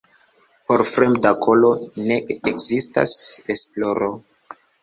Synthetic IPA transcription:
poɾfɾemdakʰo̞lo̞ne̞ekzista̰sesploɾo

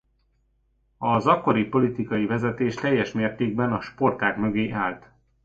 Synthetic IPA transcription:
ɒzɒkːo̞ɾipo̞lit̪ikɒjivɛzɛt̪eːʃt̪ɛjːɛʃmeːrt̪eːɡ̚bɛnɒʃpo̞rt̪aːkmø̞ɡeːʔaːlt̪

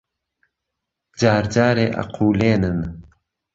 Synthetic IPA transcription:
d͡ʑaːɾd͡ʒaːɾeʔa̰qʰuːleːnən

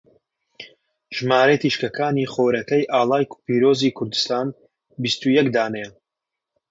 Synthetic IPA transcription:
ʒmaːɾet̪iʃkɐkaːniːχoːɾɐkɐjʔaːlˠaːjkpiːɾoːziːkʰʊɾd̪ɨ̥st̪aːn | bist̪ujɛkd̪aːnɛjɛ

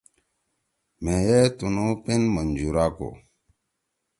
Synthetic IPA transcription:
mẽjet̪unopinmənd͡ʑuɾako̰

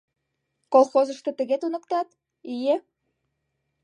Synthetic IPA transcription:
kolˠxozəʃt̪ɤ̆t̪ə̆ɣet̪unə̆k̚t̪ɑt̪ | ije

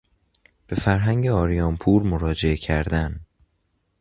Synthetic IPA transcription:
b̥e̞fæɾɦæŋɟeɒːɾijɒːmpʰuːɾmoɾɒːd͡ʒe̞ecʰæɾd̪æn

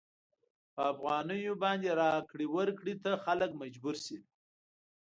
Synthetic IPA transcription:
pəafɣɑnəjobɑnd̪eɾɑkɽiwəɾkɽit̪axaləkmad͡ʒbuɾsi

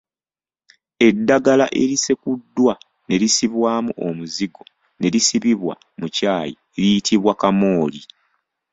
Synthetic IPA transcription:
e̞dːaɡalaʔe̞ɾise̞kudːwa | ne̞ɾisiβwaːmuʔo̞muziɡo̞ | ne̞ɾisiβiβwa̰ | mucaːjḭ | eɾijitʰiβwakamo̞ːli

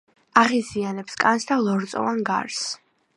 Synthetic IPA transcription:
aʁizianɛpskʼansd̪alˠɔɾt̪sʼɔ̰vanɡa̰ɾs

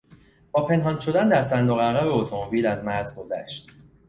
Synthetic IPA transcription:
b̥ɒːpʰe̞nɦɒːnʃo̞d̪ænd̪æɾsænd̪oɣæɣæbeot̪ʰo̞mo̞biːlæzmæɾzɡo̞zæ̰ʃt̪

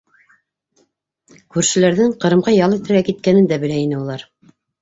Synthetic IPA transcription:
kʉɾʃɘ̆læɾðɘŋqɤ̆ɾɤ̆mʁɑjɑlˠɤt̪ɘ̆ɾɡækit̪̚kænɘnd̪æbɘ̆læinɘulˠɑɾ

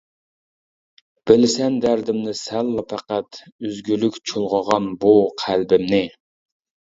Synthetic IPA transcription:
b̥ɪlɪsɛnd̪æɾd̪ɪmnɪsælːɑpʰæqæt̪øzɡʲylykʲt͡ʃʰolˠʁəʁɑnbuqʰælbɪmnɪ

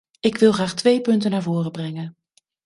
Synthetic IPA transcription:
ɪkʋɪlˠχraːχtʋejpɵntənaːɹvʊːrəbrɛŋən

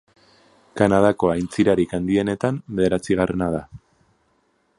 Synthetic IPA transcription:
kanað̞ako̞ajnt͡siɾaɾikand̪ie̞ne̞t̪ambe̞ðe̞ɾat͡siɣare̞nað̞a

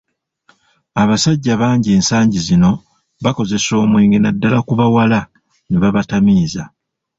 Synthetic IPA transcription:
aβasaɟːaβaːɲɟie̞ːnsaːɲɟizino̞ | βako̞ze̞so̞ːmweːŋɡenadːalakuβawala | neβaβatamiːza

